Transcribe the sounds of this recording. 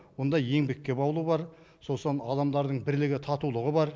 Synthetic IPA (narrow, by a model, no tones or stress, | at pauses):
wo̞nd̪ɑjje̞ŋbekʲːe̞bɑwlˠubɑɾ | solsonɑd̪ɑmd̪ɑɾd̪əɴbɪɾlɪɡʲɪt̪ʰɑt̪ulˠəʁəbɑɾ